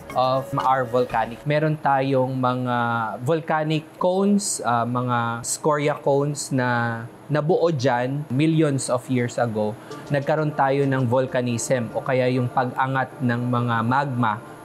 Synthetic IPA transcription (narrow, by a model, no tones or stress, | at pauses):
ʔofmʔaɹvʊlkaːnɪk̚mɛːɾont̪aːjoŋmɐŋavʊlkaːnɪkːownsɐmɐŋaskoɹjɐkownsnɐː | ɐbʊʔod͡ʒanmiljonsɔfjiɹsʔɐɡonɐɡ̚kɐɾo̞nt̪aːjo̞nɐŋvolkɐniːsɛmʔokɐjajʊŋpɐɡʔɐŋat̪̚nɐŋmɐŋamaɡ̚mɐ